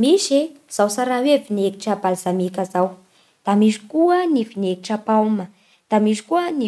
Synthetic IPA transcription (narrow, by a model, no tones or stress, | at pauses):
miʃse | z̥awsaɾawevineki̥ʈ͡ʂabalzamikəzaw | d̪̥amisi̥kuənifinekiʈ͡ʂapawmə | d̪̥amisi̥kuəni